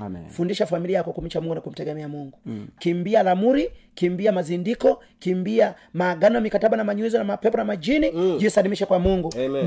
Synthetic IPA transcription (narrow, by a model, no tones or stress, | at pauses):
fundiʃafamiliaakwakum̩t͡ʃamuŋɡunakum̩tɛɡɛmɛamuŋɡukimbialamuɾikimbiamazindikɔ | kimbia | maːɡanɔjamikataɓanamaɲwizɔnamapɛpɔnamad͡ʒinid͡ʒisalimiʃɛkwamuŋɡu